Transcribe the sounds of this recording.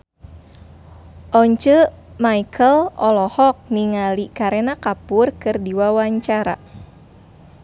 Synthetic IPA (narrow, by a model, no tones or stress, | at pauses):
ʔɔɲt͡ʃəmaikʰəlɔlɔhɔk̚niŋalikaɾenakapurkɨrdiwawaɲt͡ʃaɾa̰